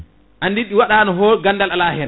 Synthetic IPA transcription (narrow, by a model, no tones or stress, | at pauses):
ʔandiɗiwaɗanɔɦɔɾɡanːdalalaːhɛn